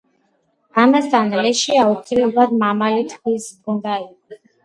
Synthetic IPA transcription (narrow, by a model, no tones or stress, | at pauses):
amɛsanlɛʃiaukʰilɛbad̪mamalit̪ʰkisbɡɔnd̪ai